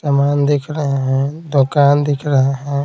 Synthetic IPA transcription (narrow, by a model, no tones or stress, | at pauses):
sɐmaːnd̪ekʰɾɐɦeɦɛ̃d̪oːkaːnd̪ekʰɾɐɦeɦɛ̃ː